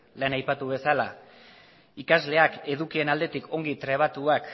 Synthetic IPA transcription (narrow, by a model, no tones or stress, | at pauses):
le̞najpat̪uβe̞sala | ikazle̞ake̞ðukie̞nald̪e̞t̪ikʰo̞ŋɡit̪ɾe̞β̞at̪uak